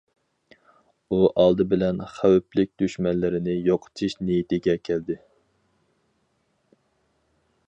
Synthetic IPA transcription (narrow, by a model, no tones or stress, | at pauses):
uʔɑlˠd̪ɨbɪlɛnχæwyplɪk̚ʲd̪yʃmɛnlɪɾɪnɪjoqʰə̥t͡ʃ̪ʰiʃnijit̪ɪɡʲɛkʲʰɛld̪ɪ